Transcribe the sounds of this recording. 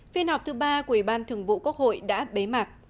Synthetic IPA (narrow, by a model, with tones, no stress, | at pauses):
fi˧ənhɔ˨˩wk͡p̚t̪ʰɨ˨˦ɓaː˧ku˨˩wi˧˩ɓaː˧nt̪ʰɨ˨˩əŋvṵ˧˨ku˦˥ək̚ho̰˧˨jɗa̰ː˧˥ɓe˨˦ma˨˩t̚